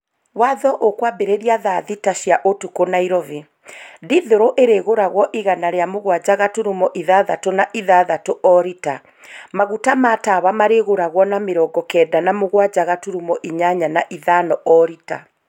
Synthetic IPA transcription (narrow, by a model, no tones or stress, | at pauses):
waðɔʔokwabeɾeɾiaðaðitaʃjaʔotukonaiɾɔve | diðoɾoʔeɾeɣoɾaɣwɔʔiɣanaɾeamoɣwad͡ʑaɣatuɾumɔʔiðaðatonaʔiðaðatoʔɔɾita | maɣutamatawamaɾeɣoɾaɣwɔnameɾɔːɡɔkɛːdanamoɣwad͡ʑaɣatuɾumɔʔiɲaɲanaʔiðanɔʔɔɾita̰